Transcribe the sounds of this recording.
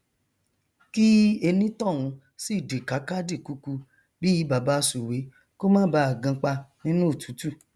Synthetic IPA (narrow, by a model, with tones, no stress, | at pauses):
ki˦e˧nĩ˦tɔ̃˦˨w̃ũ˨˧˦ | si˦˨de˨ka˨˦ka˦di˦˨ku˨˧ku˧ | bi˦i˨˧˦ba˨ba˧˦su˨we˨˦ | ko˦mãː˦ba˧˦a˨ɡã˧k͡pa˧nĩ˦nũ˦o˦˨tu̥˨˦tu˦˨